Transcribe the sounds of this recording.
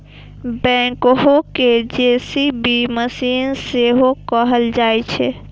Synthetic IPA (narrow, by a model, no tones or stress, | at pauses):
bɛ̃ːkɦoked͡ʒeːsibiməsiːnseɦokəɦəld͡ʒaːet͡ʃʰɛ